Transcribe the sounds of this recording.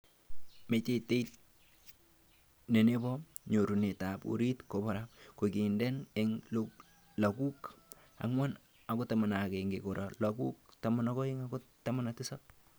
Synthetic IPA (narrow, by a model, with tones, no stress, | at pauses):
me˨t͡ʃe˦te˦it | ne˨ne˦bɔ˦ɲo˨ɾu˨ne˨tapṵ˨ɾi˦tkoba˨ɾap̚ko˨ki˨ndɛ˦neŋlo | la˨ku˦k | a̰ŋwa˦n | ako˦tama˨na˨keŋɡeko˨ɾalaku˦k̚tamana˦kɔ˦iŋakotama˦natɪ˦sap̚